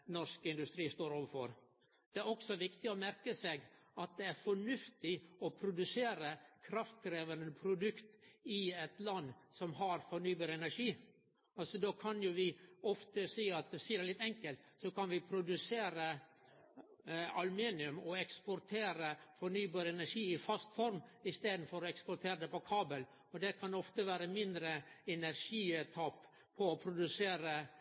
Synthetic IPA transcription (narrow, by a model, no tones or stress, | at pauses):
nɔɾskəɪnd̪ʉst̪ɾiːst̪oːɾɔʋəfɔɾ | d̪̥ɛæɾɔksɔʋɪkt̪ɪɔmæɾkəseːɡɑt̪̚d̪ɛæɾfɔɳʉft̪ɪɔpʰɾʊd̪ʉseːɾəkʰɾɑft̪kɾeːʋənəəpʰɾʊd̪ʉkt̪ɪɛt̪lɑnːsɔmɦɑɾfɔɳyːbɑːɾəɛnæɾʂiː | ɑlsɔd̪oːkʰɑnjʊʋɪɔft̪əsiːɑt̪siːəd̪ɛlɪt̪ːɛŋkəlt̪ | sɔkɑnʋɪpʰɾʊd̪ʉseːɾə | ɑlʉmiːnɪʉmɔɛkspʊɾt̪ʰeːɾəfɔnyːbɑːɾəɛnæʂiːɪfɑst̪fɔɾmɪst̪eːd̪n̩fɔɾɔɛkspɔɾt̪ʰeːɾəd̪ɛpɔkʰɑːbəl | ɔd̪ɛkʰɑnɔft̪əʋæːɾəmɪnd̪ɾəɛnæɾʂiːt̪ʰɑp | pʰːɔɔpʰɾʊd̪ʉseːɾə